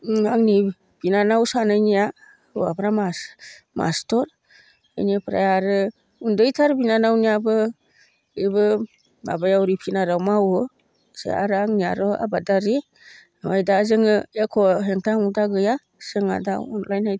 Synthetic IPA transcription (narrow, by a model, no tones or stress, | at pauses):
aŋni | b̥inanawsanajnija | ɯwa̰pʰɾama | ma̰stɔɾ | a̰jnipʰɾa̰jaɾɯ | undɯjtʰaɾbinanawnijabɯ | ɯjbɯ | ma̰bajawɾipʰinaɾawmawɯ | sḛa̰ɾɯaŋnijaɾɔa̰badaɾi | nwajdazɯŋɯekʰɔɦeŋtʰaŋudaɡɯja | sɯŋa̰daɔ̰nlajnaj